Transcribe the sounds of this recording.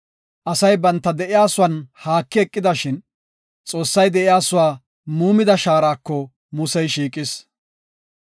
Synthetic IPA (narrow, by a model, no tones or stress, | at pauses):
ʔɐsɐjbɐnt̪ːɐd̪ɛʔɪjaːsʊwɐnhaːkːɪɛkʼːɪd̪ɐʃɪn | t͡sʼo̞ːsːɐjd̪ɛʔɪjaːsʊwaː | muːmɪd̪ɐʃaːɾaːkːɔ | mʊsɛjʃiːkʼɪs